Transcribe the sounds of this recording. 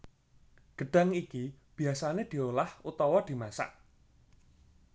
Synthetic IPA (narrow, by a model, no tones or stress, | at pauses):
ɡ̥əɖ̥a̤ŋikib̥i̤asaned̪̥i̤olahut̪ɔwɔd̪̥i̤masa̰ʔ